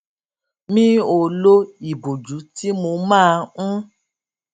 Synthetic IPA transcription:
mĩ˦o˨lo˦i˨bo˨d͡ʒu˨˦ti˦mo˧mãː˦˧ũ˦

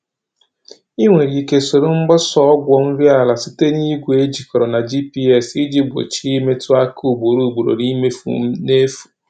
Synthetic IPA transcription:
i˦ŋʷe˨ɾi˨ke˨so˨ɾo˦m̩˦ɡ͡bɔ˦sɔ˦ɔ˦ɡʷɔ˦˨n̩˦ɾi˦a˦˨la˨si˦te˦ni˦ɡʷe˦d͡ʒi˨kɔ˨ɾɔ˨na˨d͡ʒi˦pi˦ɛ˦˨si˦d͡ʒi˦ɡ͡bo̰˨t͡ʃi˦i˦me˦tʰu˦a˦ku˦˨bo˨ɾu˦˨ɡ͡bu˨ɾo̰˨ni˦me˦fṵ˨m̩˦ne˦fu̥˨

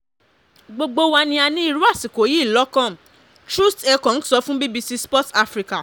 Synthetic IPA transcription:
ɡ͡bo˧ɡ͡bo˧wa˧nĩ˧a˧nĩ˦i˦˧ɾu˦a˦˨si˨ko˨˦ji˦˨lɔ˨˦kɔ̃˦˨m | tɾu˦stɛ˧kɔ̃˨n̩˦sɔ˧fũ˦bi˦bi˧si˦spɔ˦ta˧fɾi˧ka˨

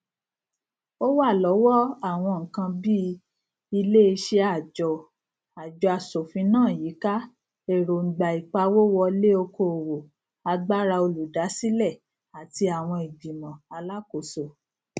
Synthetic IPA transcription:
o˦wa˦˨lɔ˨˦wɔ˦a˦˨w̃ɔ̃˧ŋ̩˨kã˧bi˦ | i˧le˦i˧ʃe˧a˨d͡ʒɔ˨ | a˨d͡ʒɔ˧a˧˨so˨fĩ˨˧˦nãː˦˨ji˨˦ka˦ | e˦˨ɾo˨ŋ̩˨ɡ͡ba˨i˨k͡pa˧wo˦wɔ˧le˦o˧ko˨wo˨ | a˧ɡ͡ba˦ɾa˧o˧lu˨da˨˦si˦lɛ˦˨ | a˨ti˧a˨w̃ɔ̃˧i˨bi˨mã˨a˧la˦ko˨so˨

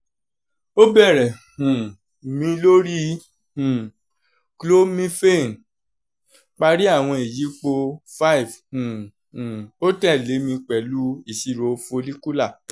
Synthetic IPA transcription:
o˦bɛ˦˨ɾɛ˨hũ˨ | mĩ˧lo˦ɾi˦ | hũ˨ | klo˦mĩ˦fe˦˨n˨ | k͡pa˧ɾi˦a˦˨w̃ɔ̃˧e˨ji˨˦k͡po˧fa˦i˨vhũ˨ | hũ˨o˦tɛ˦˨le˨˦mĩ˧k͡pɛ˨lu˦i˦˨ʃi˨˧ɾo˨˧˦fo˧li˦ku˦la˦˨

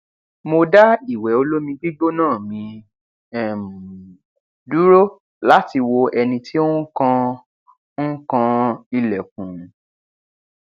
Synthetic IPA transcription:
mo˧da˦i˦˨wɛ˨˦o˧lo˦mĩ˧ɡ͡bi˦ɡ͡bo˦nãː˦˨mĩ˧ | ɛ˦˨m˨ | du˦ɾo˦ | la˦ti˧wo˧ɛ˧nĩ˧tʰi˦o˦kã˧ | n̩˦kã˧i˧lɛ˨k̚ũ˨

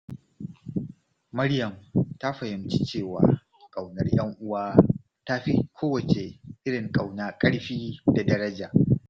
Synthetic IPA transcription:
mɐ˦ɽjɐ˨mta˦ɸɐ˨hɪ˨mt͡ʃi˦t͡ʃeː˦˨waː˨ | kʼa˨wnɐ˦rj̰ɐ˦ŋʔʊ˦waː˦ | ta˦ɸi˦kʷʰoː˦wɐ˨t͡ʃe˨ʔɪ˦ɽɪ˨ŋkʼa˨wnaː˦kʼɐ˦ɽɸiː˦da˨dɐ˦ɾɐ˦d͡ʒaː˨

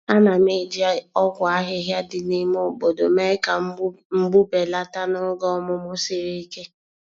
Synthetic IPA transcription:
a˦na˨me˦di˨˦a˨ɔ˦ɡʷʊ˨a˦ɦɪ˦ɦja˦dɪ˨ni˦m˦ʊ˦bo˨do˨me˦ɪ˦ka˨˦ | m̩˦bu˦be˨la˦ta˦nʊ˦ɡɔ˦mʊ˦mʊ˦sɪ˦ɾi˦i˦ke˦

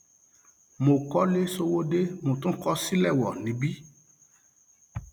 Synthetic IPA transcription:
mo˨kɔ˦le˦so˧wo˦de˦mõ˨tũ˦kɔ˦si˦lɛ˦˨wɔ˨nĩ˨˦bi˦

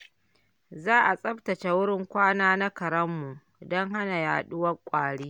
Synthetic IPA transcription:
zaː˦ʔa˨sʼɐ˦ɸtɐ˨t͡ʃe˨wʊ˦ɽɪ˦ŋkʷaː˦naː˦na˦kɐ˨ɾɐ˦mːu˨ | dɔ˦ŋɦa˦na˨jaː˨ɗʊ˦wɐ˦kʷʼaː˨ɽiː˦

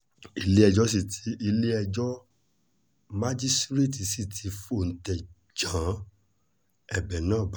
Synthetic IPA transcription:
i˧le˦ɛ˧d͡ʒɔ˦s̬i˦˨tʰi˨˧˦ʔi˧le˦ɛ˧d͡ʒɔ˦ | ma˦d͡ʒi˦stɾe˦˨ti˨si˦˨tʰi˧fo˦˨n̩˨tɛ˨ | d͡ʒã˨˦ | ɛ˦˨bɛ˨nãː˨˦˨b

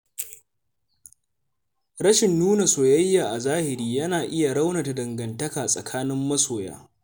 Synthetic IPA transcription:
ɽɐ˦ʃɪ˨nːuː˦na˨soː˨jɐ˦jːaː˨ʔa˨zaː˦hɪ˨ɾiː˦jɐ˦naː˨ʔɪ˦ja˨ɽa˦wna˨ta˨dɐ˨ŋɡɐ˨ntɐ˦kaː˨sʼɐ̰˨kʰaː˦nɪ˦mːɐ˦soː˨ja̰ː˦

